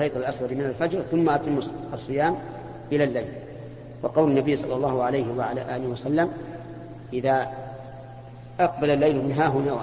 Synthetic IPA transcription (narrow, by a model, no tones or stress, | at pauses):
ɑjt̪ˤalʔaswɑɾmɪnalfad͡ʒɾθʊmːaʔat̪ˤɨmːɑsˤːɨjaːm | ʔɪlalːajl | wɑqɑwlanːabɪjːsˤɑlːɑlˤːɑːhʊʕalajhɪwaʕala̰ːʔaːlɪhwasalːam | ʔɪða | ʔɑq̚balalːajlmɪnɦaːɦʊnaw